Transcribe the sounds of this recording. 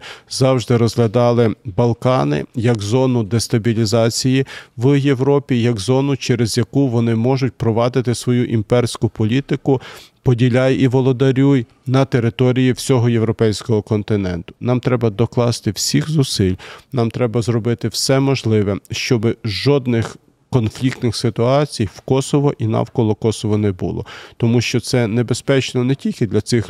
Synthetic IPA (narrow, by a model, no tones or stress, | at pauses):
zɑwʒd̪ɪɾɔzɦlʲɐd̪ɑlˠɪbɐlˠkɑnɪ̰jɐɡzɔnʊd̪est̪ɐbʲilʲizɑt͡sʲijiʋje̞wɾɔpʲijɐɡzɔnʊt͡ʃɛɾezjɐkuʋɔnɪmɔʒʊt̚ʲpɾɔʋɑd̪ɪt̪ɪsʋɔjuʔimpɛrsʲkʊpɔlʲit̪ɪkʊpɔdʲilʲajiʋɔlˠɔd̪ɐɾʲuj | nɐt̪eɾɪt̪ɔɾʲijiwsʲɔɦɔjewɾɔpɛjsʲkɔɦɔkɔnt̪ɪnɛ̰nt̪ʊ̥nɑmt̪ɾɛbɐd̪ɔklˠɑst̪ɪwsʲixzʊsɪlʲnɑmt̪ɾɛbɐzɾɔbɪt̪ɪwsɛmɔʒlˠɪʋɛʃt͡ʃɔbɪʒɔd̪nɪx | kɔnflʲik̚t̪nɪxsɪt̪ʊɑt͡sʲijwkɔsɔʋɔʔinɑ̰wkɔlˠɔkɔsɔʋɔnɛbṵlˠɔ̰t̪ɔmuʃt͡ʃɔt̪sɛnebespɛt͡ʃnɔnetʲilʲkɪd̪lʲɐt̪sɪx